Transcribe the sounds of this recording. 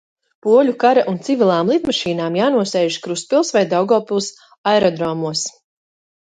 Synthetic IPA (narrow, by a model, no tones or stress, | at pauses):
puɔlʲukaɾaʔunt̪sivʲilˠaːmlˠit̪maʃiːnaːmjaːnuɔsɛjʒkɾuspilˠsvajd̪awɡɔlˠpilˠs | ajɾɔd̪ɾɔmuɔs